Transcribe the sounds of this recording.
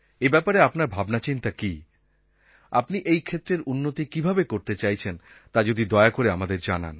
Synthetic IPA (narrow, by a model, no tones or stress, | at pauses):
ebɛpaɾeapnaɾbʱabnat͡ɕint̪aki | apniʔejkʰet̪ːɾeɾunːot̪ikibʱabekoɾt̪et͡ɕajt͡ɕʰen | t̪ad͡ʑod̪id̪ɔeakoɾeamad̪eɾd͡ʑa̰na̰n